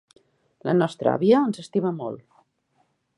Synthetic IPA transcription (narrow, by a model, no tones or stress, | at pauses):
lənɔst̪ɾə̰a̰βiəːnzəst̪imamo̰lˠ